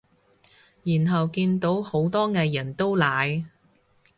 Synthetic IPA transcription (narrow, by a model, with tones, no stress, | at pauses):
jiː˨˩nɦɐ˨wkiː˧nt̪o˨˥who˨˥wt̪ɔː˥ŋɛː˧jɐ˨˩nt̪o˥wlaː˨˧j